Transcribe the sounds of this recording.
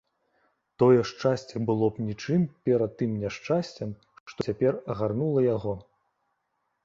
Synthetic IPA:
t̪ɔjɛʂt͡ʂasʲt͡sʲɛbɨlˠɔpnʲit͡ʂɨmpʲɛɾɐt̪ːɨmnʲaʂt͡ʂasʲt͡sʲɛm | ʂʂt̪ɔt͡sʲapʲɛrɐɣarnulˠɐjaɣɔ

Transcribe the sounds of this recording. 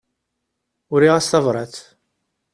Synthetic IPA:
ʊɾiʁæsθɑvɾˤɑθ

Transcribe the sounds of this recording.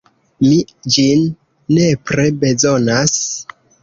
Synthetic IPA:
mid͡ʒinː | e̞pɾebe̞zo̞nas

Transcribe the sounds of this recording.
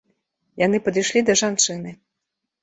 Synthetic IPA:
janɨpɐd̪ɨjʂlʲid̪ɐʐant͡ʂɨnɨ

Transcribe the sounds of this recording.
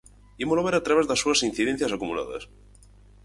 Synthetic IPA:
iemolaβeɾat̪ɾaβezðasːuasinθiðen̟θjasakumula̰ða̰s

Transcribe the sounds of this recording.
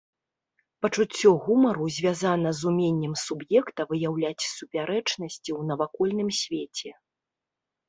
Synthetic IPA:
pɐt͡ʂut͡sʲːɔɣumɐɾuzʲvʲazanɐzumʲenʲːɛmsubjɛkt̪ɐvɨjawlʲat͡sʲsupʲaɾɛt͡ʂnɐsʲt͡sʲiwnɐvakɔlʲnɨmsʲvʲet͡sʲɛ

